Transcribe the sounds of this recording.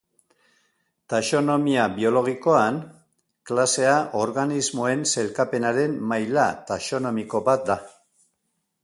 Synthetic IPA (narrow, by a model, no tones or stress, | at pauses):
t̪aʃo̞no̞miaβio̞lo̞ɣ̞iko̞an | klase̞aʔo̞ɾɣanizmo̞e̞nse̞lkape̞naɾe̞mmajlat̪aʃo̞no̞miko̞bat̪̚d̪a